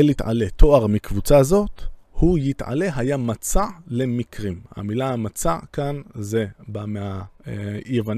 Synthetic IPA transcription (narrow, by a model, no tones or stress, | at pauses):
elit̪ʕa̰le̞t̪ʰo̞aʁmikvut͡sazo̞t̪hujit̪ʕa̰le̞ɦajamat͡sale̞mikʁimha̰milaamat͡sakanzebamea | jevan